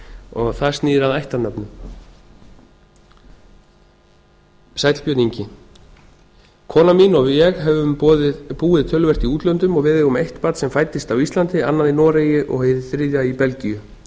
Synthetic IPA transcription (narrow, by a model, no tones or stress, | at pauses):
ɔɣθḁst̪niːðɪɾaðajht̪anœpnʏm | sajt̪l̥pjœːt̪niɲcɪ | kʰɔːnaminɔɣjɛɣɦɛvʏmðpuːɪðt̪ʰœlvɛ̥t̪iuːt̪lœnt̪ʏmɔɣvɪːðɪɣɔmejht̪paːt̪sɛmfaːjt̪ɪst̪awist̪lant̪ɪanːaðinɔːɾejʏʔɔ̰ɣheðɪθɾɪðjaipɛlcijʏ